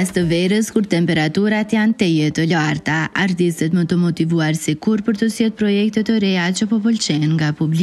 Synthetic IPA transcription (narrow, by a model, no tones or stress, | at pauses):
ast̪əvɛɾəskuɾt̪ɛmpɛɾat̪uɾat̪jant̪ɛjɛt̪əlaɾt̪aa̰ɾt̪ist̪ɛt̪mət̪əmɔt̪ivuaɾsikuɾpəɾt̪əsjɛt̪̚pɾɔjɛk̚t̪ɛt̪əɾɛat͡ʃəpɔpɔlt͡ʃɛənŋɡapubli